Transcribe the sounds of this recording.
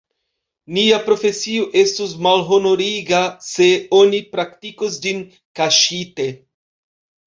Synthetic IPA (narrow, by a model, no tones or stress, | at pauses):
niapɾo̞fe̞sioʔe̞stus̬malɦo̞no̞ɾiɡase̞onipɾaktikosd͡ʒin | kaʃite̞